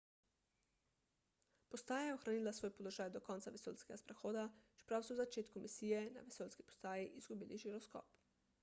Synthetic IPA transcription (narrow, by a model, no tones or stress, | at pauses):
pɔst̪aːjajɛoxɾaniːlasʋoːjpɔloʒaːjd̪ɔkɔːnt̪saʋɛso̰ːlskɛɡaspɾɛxoːd̪at͡ʃɛ̥pɾawsɔwzat͡ʃeːt̪kumʔisijɛna̰ʋɛsoːlski̥pɔ̥st̪aːjiʔizɡubiːliʒiɾɔskɔ̰ːp